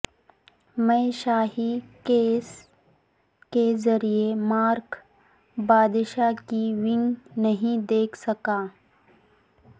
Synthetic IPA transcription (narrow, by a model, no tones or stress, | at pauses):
mɛ̃ːʃaːɦikeːs | kezɐɾiemaːɾk | baːd̪ɪʃakiʋɪ̃ŋɡnɐɦĩd̪eːkʰsɐkaː